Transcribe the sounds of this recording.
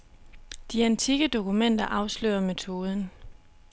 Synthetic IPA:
d̥iænt͡sʰiɡ̥əd̥o̝kumen̰d̥ɐʔɑ̈ʊslø̰ːɐme̝t͡sʰo̝ːð̞ˠən̩

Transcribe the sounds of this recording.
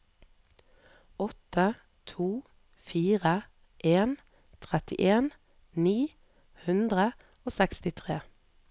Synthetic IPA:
ɔt̪ə | t̪ʰuː | fiːʁə | ʔeːn | t̪ʰʁɛt̪ɪʔeːn | niː | hʉnd̪ʁə | oːsɛkst̪ɪt̪ʰʁeː

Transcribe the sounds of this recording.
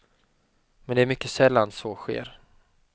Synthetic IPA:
mɛnd̪ɛæɾmʏkːəsɛlːansoɧḛːɾ

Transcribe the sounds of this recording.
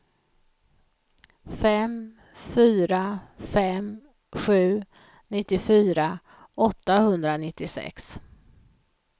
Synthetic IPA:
fɛm | fyːɾafɛm | ɧʉ̟ː | nɪt̪ːɪfyːɾa | ɔt̪ːahɵnd̪ɾanɪt̪ːɪsɛ̰ks

